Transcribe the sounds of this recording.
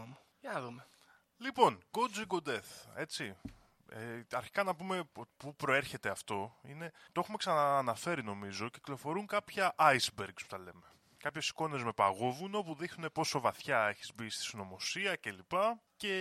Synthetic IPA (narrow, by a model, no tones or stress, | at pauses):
mo | jɐðume | lipo̞nko̞d͡ziɡo̞d̪e̞θe̞t͡si | eɐɾçi̥kɐnɐpume̞ot̪pupɾo̞e̞ɾçe̞t̪e̞ɐft̪o̞ine̞t̪oexumeksɐnɐːnɐfe̞ɾino̞mizo̞ce̥klo̞fo̞ɾuŋkɐpçɐʔɐjzbeɾɡspu̥t̪ɐle̞me̞ | kɐpçe̞si̥ko̞ne̞zme̞pɐɣovunopuðixnune̞po̞so̞vɐθçɐeçi̥zbist̪i̥sino̞mo̞siɐce̞lipɐce̞